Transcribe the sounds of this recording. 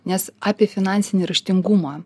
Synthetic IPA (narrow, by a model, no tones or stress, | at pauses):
nʲɛsɑːpʲiɛfʲɪnɑnʲsʲɪnʲiɾɐʃʲt̪ʲɪŋɡumɑː